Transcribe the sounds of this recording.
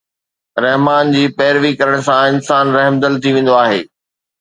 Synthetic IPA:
ɾɐɦmaːnd͡ʑiːpɛːɾʋikɐɾəɽ̃sãɪnsaːnɾɐɦmd̪əlt̪ʰiʋẽːn̆d̪oaːɦḛː

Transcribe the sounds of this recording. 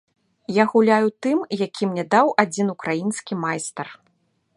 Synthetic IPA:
jaɣulʲajut̪ɨmjakʲʰimnʲɛd̪awʔad͡zʲinukɾajinskʲimajst̪ɐr

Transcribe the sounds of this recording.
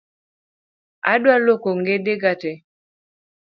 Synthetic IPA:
a̰dwalokoŋɡedeɡatɛ

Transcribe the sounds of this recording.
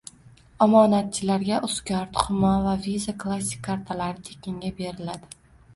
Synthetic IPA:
ɒmɒnat̪̚t͡ʃʰɪlaɾɡʲaʔʊskʲɒɾt̪χʊmɒvavizakʰlˠas̬ʲɪ̥kʲʰːaɾt̪ʰalaɾɪt̪ʰe̥kʲɪŋɡʲabe̞ɾɪlad̪ɪ

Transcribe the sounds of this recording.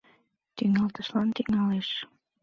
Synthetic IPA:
t̪yŋɑlt̪əʃlɑnt̪yŋɑleʃ

